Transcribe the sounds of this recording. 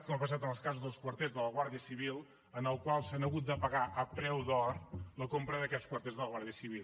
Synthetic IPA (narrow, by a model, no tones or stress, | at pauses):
t̪kɔmapəsat̪ənəlˠskazuzðəlˠskwəɾt̪ezðələɣwaɾðiəsiβ̞ilˠ | ənəlˠkwalˠsanəɣut̪̚d̪əpəɣaʔəpɾɛwðɔɾləkompɾəðəkɛskwəɾt̪ezðələɣwaɾðiəsiβ̞il